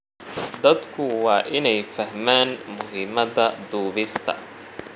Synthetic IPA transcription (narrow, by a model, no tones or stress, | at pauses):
d̪ɐd̪kʰʊwɑːʔɪnɛjfɐhmaːnmʊɦɪːmɐðɐd̪uːβɪst̪ʰɐ̰